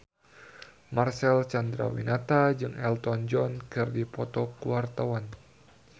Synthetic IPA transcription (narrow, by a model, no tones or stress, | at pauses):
marsɛlt͡ʃand̪ɾa̰wḭnat̪ad͡ʒɨŋɛlt̪ɔnd͡ʒɔnkɨrdipɔt̪ɔkuwart̪awan